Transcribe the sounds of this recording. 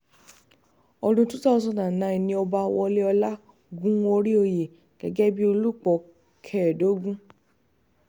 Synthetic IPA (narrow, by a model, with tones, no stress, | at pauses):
ɔ˧ɾũ˧tu˦tɔ˦˧s̬ɔ̃˧dã˨nã˨˦ĩ˨nĩ˧˦ɔ˧ba˧wɔ˧le˦ɔ˧la˦ | ɡũ˦o˧ɾi˦o˧je˨ | ɡ̥ɛ˨ɡɛ˦bi˦o˧lu˦˨k͡pɔ˨˧˨ | kʰɛ˦˨do˨˦ɡũ˦